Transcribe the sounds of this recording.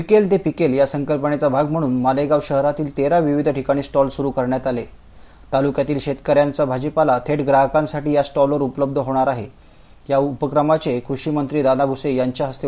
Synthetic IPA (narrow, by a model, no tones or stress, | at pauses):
pikelt̪epikeljasəŋkəlpəɳet͡sabʱaɡm̤əɽ̃uːnmaleɡaʋɕəɦɾat̪iːlt̪eɾaʋiʋid̪ʱəʈʰikaɽ̃iːsʈɔlsuɾuːkəɾɳjat̪ale | t̪alukjat̪iːlɕet̪kəɾjant͡sabʱad͡ʑipalat̪ʰeʈɡɾaɦəkãnsaʈiːjasʈɔləɾupləb̚d̪ʱəɦoɽ̃aɾaɦe | jaupəkɾəmat͡sekɾuɕiːmənt̪ɾiːd̪anabʱusejaɲt͡ɕjaɦəst̪e